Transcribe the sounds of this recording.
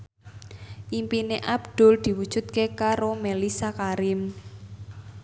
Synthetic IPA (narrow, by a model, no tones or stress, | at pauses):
ʔimpineʔabd̪̥ʊ̤ld̪̥i̤wud̥ʒ̥ṳt̪̚kekaɾomelisakaɾɪm